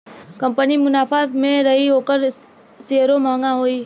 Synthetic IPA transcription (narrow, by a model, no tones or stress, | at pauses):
kəmpənimʊnafamẽɾəɦiokəɾ | seɦəɾomãŋɡãɦoi